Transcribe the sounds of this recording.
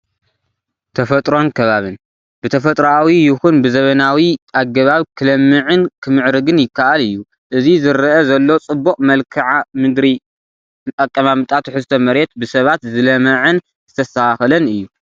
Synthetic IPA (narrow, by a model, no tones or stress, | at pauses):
t̪ʰɐfɐt̪ʼɾo̞nkʰɐβaβɨn | b̥ɨt̪ʰɐfɐt̪ʼɾawijɪxunbɨzɐβɐnawiʔaɡːɐβaβkʰɨlɐmːɨʕɨnkʰɨmɨʕɾɨɡɨnjɪkʰːaʔalɨjːu | ʔɨzizɨɾɐʔɐzɐlːo̞t͡sʼɨbːokʼmɐlkʰɨʕamɨd̪ɾi | t̪ʼɐkʼːɐmamɨt̪ʼat̪ʰuħɨst̪ʰomɐɾet̪bɨsɐβat̪zɨlɐmɐʕɨn | zɨ̥t̪ʰɐsaxlɐnɨjːu